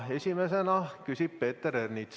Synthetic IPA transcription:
e̞sʲime̞senɑkysʲib̥̚pe̞ːt̪ːeɾernit̪s

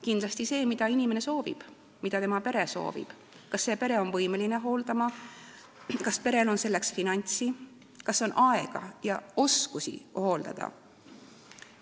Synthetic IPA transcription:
kind̪lɑst̪ise̞ːmid̪̥ɑinʲime̞ne̞so̞ːvḭb̥ | mid̪̥ɑt̪e̞mɑpe̞ɾe̞so̞̰ːvḭb̥ | kɑsːe̞ːpe̞ɾe̞o̞nvɤjmeline̞ɦo̞ːld̪ɑmɑ | kɑspe̞ɾe̞lo̞nse̞lːe̞ksfinɑnʲt̪si | kɑso̞nʔɑe̞ɡ̥ɑ̰jɑo̞skusḭoho̞ld̪̥ɑ̰d̪̥ɑ̰

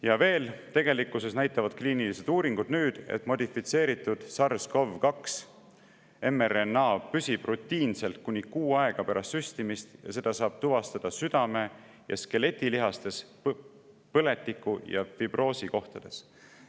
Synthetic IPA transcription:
jɑve̞ːlt̪e̞ɡ̥e̞likːˑuse̞snæjt̪ːˑɑvɑd̪̥̚kliːnilise̞d̪̥uːɾiŋɡ̥ud̪̥nyːd̪̥ḛt̪mo̞d̪ʲifit̪se̞ːɾit̪ˑːud̪̥sɑrsko̞vkɑks | e̞merenːɑːpysib̥rut̪ːiːnse̞lt̪̚kunʲikuːɑeɡ̥ɑpæɾʔɑst̪ysʲt̪imist̪jɑ̰se̞d̪̥ɑsɑːb̥̚t̪uvɑst̪ɑd̪̥ɑsyd̪̥ɑme̞ | jɑ̰ske̞le̞t̪ʲːˑiliɦɑst̪e̞s | pɤle̞t̪ˑːikːujɑ̰fib̥ro̞ːsiko̞ht̪ɑd̪̥e̞s

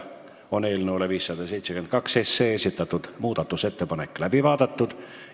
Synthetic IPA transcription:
o̞ne̞ːlneoleviːsːɑd̪̥ɑs̬ejt̪sekyenkɑksesːe̞ːesʲit̪ˑːɑt̪ːud̪̥muːd̪ɑt̪ːˑuse̞t̪ːe̞pɑnekːˑlæb̥ivɑːd̪̥ɑt̪ːud̪̥

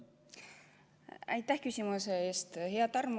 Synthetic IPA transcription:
æjt̪ːæhkysʲimuseeːst̪ɦeɑt̪ɑrm

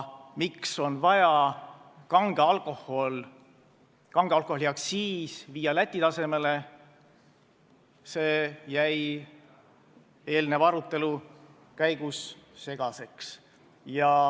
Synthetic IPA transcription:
mikso̞nvɑjɑ | kɑŋɡ̥eɑlko̞hol | kɑŋɡ̥eɑlkˑoholiɑkssiːsviːɑlæt̪ʲːˑit̪ɑse̞me̞le | se̞ːjæj | e̞ːlnevɑɾut̪ːˑe̞lu | kæjɡ̥usːe̞ɡ̥ɑse̞ks | jɑ

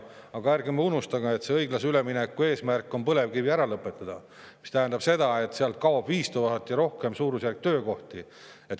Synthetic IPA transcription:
ɑɡ̥ɑærɡemeunust̪ɑɡɑet̪seɤ̞jɡlɑseyleminekːˑue̞ːsmærkːˑo̞npɤle̞vkiviæɾɑlɤpːˑe̞t̪ːˑɑd̪̥ɑ | mist̪æɦænd̪ɑb̥se̞d̪̥ɑe̞t̪seɑlt̪̚kɑwɑb̥viːst̪oɦɑt̪ːˑjɑɾo̞hke̞msuːɾusjærk̚t̪øːko̞ht̪i | e̞t̪

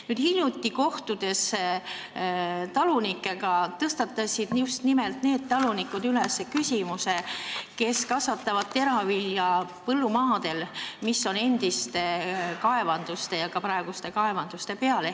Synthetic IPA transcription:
nyːd̥̪hilʲjut̪ʲːˑiko̞ht̪ud̪̥e̞s | t̪ɑlunikːˑe̞ɡɑt̪ɤst̪ɑt̪ːˑɑsʲid̪njust̪nimelt̪ne̞ːd̪̥̚t̪ɑlunikːˑud̪ylesːekysʲimuse̞ke̞skɑsvɑt̪ːˑɑvɑd̪̥̚t̪ːe̞ɾɑviljɑpɤlːumɑːd̪̥e̞lmisːo̞ne̞nd̪̥ist̪e̞kɑe̞vɑnd̪̥ust̪e̞jɑkɑpɾɑeɡ̥ust̪e̞kɑe̞vɑnd̪̥ust̪e̞pe̞ɑle̞

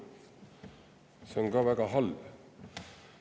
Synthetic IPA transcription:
sɔmɡɑːʋækɑɦɑl

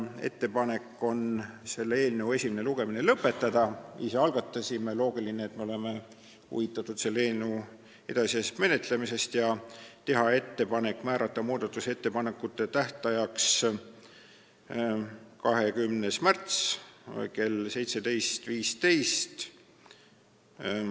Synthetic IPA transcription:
e̞̰t̪ːe̞pɑne̞kːˑo̞nse̞lːe̞ːlneue̞sʲimene̞luɡ̥e̞mine̞lɤpːˑe̞t̪ːˑɑd̪̥ɑḭse̞ɑlɡ̥ɑt̪ːˑɑsʲimelo̞ːɡ̥ilineet̪meo̞le̞me̞ | ṵvit̪ːˑɑt̪ːˑut̪se̞lːeːlnəu | e̞d̪̥ɑsiest̪me̞ne̞t̪le̞mise̞st̪jɑt̪e̞ɦɑe̞t̪ːe̞pɑne̞kːˑmæːɾɑt̪ːɑmuːd̪̥ɑt̪ːˑuse̞t̪ːe̞pɑne̞kːˑut̪ːˑe̞t̪æht̪ɑjɑks | kɑɦe̞kymnesmært̪s | ke̞lse̞jt̪se̞d̪e̞jst̪viːst̪e̞jst̪

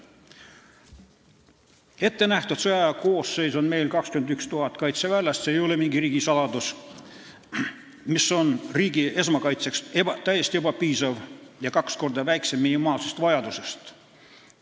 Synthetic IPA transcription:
e̞t̪ːe̞næht̪ud̪̥soɑjɑko̞ːse̞jso̞nme̞jlkɑkskymend̪ykst̪uɦɑt̪ːˑkɑjt̪sevælʲːɑst̪seːjo̞le̞miŋɡiɾiːɡ̥isɑlɑd̪us | misːo̞nriːɡie̞s̬mɑkɑjt̪se̞ksebɑt̪æjest̪ie̞bɑpiːsɑvjɑkɑksko̞rd̪ɑvæjkse̞mːinimɑːlse̞st̪vɑjɑd̪use̞st̪

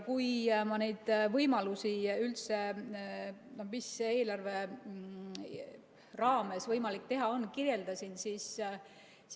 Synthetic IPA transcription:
kujmɑne̞jd̪̥vɤjmɑlusiylt̪se̞ | nomise̞ːlɑrve̞ | rɑːme̞svɤjmɑlik̚t̪e̞ɦɑo̞nːkirje̞ld̪̥ɑsinsiːs

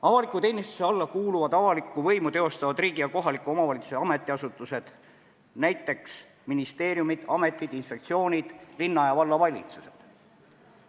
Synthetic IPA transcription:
ɑvɑlikːˑut̪e̞ːnist̪u̥se̞ɑlːɑkuːluvɑd̪̥ɑvɑlikːˑuvɤjmut̪e̞o̞st̪ɑvɑd̪riːɡ̥ijɑko̞ɦɑlikːˑuo̞mɑvɑlʲit̪suseɑme̞t̪ˑːiɑsut̪ːˑuse̞d̪̥ | næjt̪ːˑe̞ks | minist̪e̞ːɾjumid̪̥ɑme̞t̪ˑːid̪̥insfpe̞kt̪sio̞ːnʲid̪̥linːɑjɑvɑlːɑvɑlʲḭt̪suse̞̥d̪̥

